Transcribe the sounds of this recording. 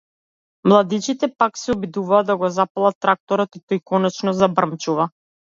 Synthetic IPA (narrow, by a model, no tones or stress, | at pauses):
mlˠad̪it͡ʃit̪ɛpaksɛɔbid̪uvaːd̪aɡɔzapalˠat̪ːɾak̚t̪ɔɾɔt̪it̪ɔjkɔnɛt͡ʃnɔzabr̩mt͡ʃuva